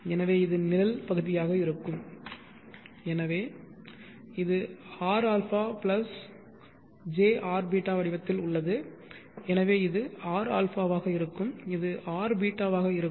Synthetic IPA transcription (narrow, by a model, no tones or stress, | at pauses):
ɛnɐʋeːɪðɯnɪlɐlpɐɣɯðɪjaːɣɐɪɾɯkːɯm | ɛnɐʋeː | ɪðɯaːɾaːlfaːplɐs | d͡ʒeːʔaːɾbiːʈːaːʋɐɽɪʋɐt̪ːɪlʊɭːɐðɯ | ɛnɐʋeːɪðɯaːɾa̰ːlfaːʋaːɣɐɪɾɯkːɯmɪðɯʔaːɾbiːʈːaːʋaːɣɐɪɾɯkː